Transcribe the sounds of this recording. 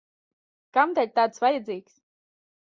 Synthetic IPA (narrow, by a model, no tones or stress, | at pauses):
kamd̪aʎʲt̪aːt̪svajad̪zʲiːksʲ